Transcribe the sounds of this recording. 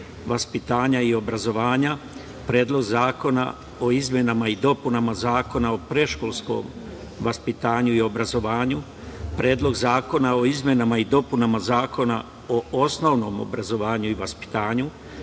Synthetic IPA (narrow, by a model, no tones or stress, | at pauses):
ʋaspit̪aːɲaio̞bɾazo̞ʋaːɲa | pɾe̞ːd̪lˠo̞ɡzaːko̞na̰ | o̞izmje̞namaid̪o̞punamazaːko̞nao̞pɾe̞ʃko̞lˠsko̰m | ʋaspit̪aːɲuio̞bɾazo̞ʋaːɲu | pɾe̞ːd̪lˠo̞ɡzaːko̞nao̞izmje̞namaid̪o̞punamazaːko̞na̰ | oo̞snoʋno̞ːmo̰bɾazo̞ʋaːɲuiʋaspi̥t̪aːɲu